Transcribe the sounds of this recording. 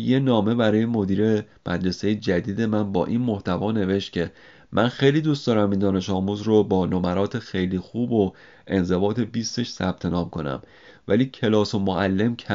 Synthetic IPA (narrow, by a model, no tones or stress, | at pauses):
je̞nɒːme̞bæɾɒːje̞mo̞d̪iːɾe̞ | mʔæd̪ɾe̞se̞jed͡ʒæd̪iːd̪e̞mænbɒ̰ːʔinmoht̪ævɒːne̞ve̞ʃt̪̚cʰe̞ | mʔænxe̞jliːd̪uːst̪ɒːɾæmind̪ɒːne̞ʃɒːmuːzɾobɒːnomæɾɒːt̪ʰexejliːxuːbo | e̞nze̞bɒːt̪ʰe̞biːst̪e̞ʃsæ̰b̥̚t̪ʰe̞nɒːmkʰo̞næ̰m | væliːcʰe̞lɒːso̞moʔælːe̞mkʰæ